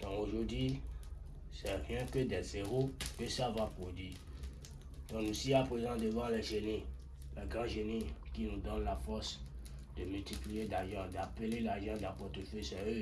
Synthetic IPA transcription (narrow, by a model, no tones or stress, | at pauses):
t̪ɔ̃oʒod̪ɥi | sɛʁjɛ̃kəd̪ɛzeʁokəsavapod̪ɥi | t̪ɔ̃nũsiapezãd̪əvãlɛʒenĩ | lɛɡʁãʒenĩkinũd̪ɔnlafɔsd̪əmylt̪iplied̪aʒãd̪apelelaʒãd̪apɔt̪ifesɛø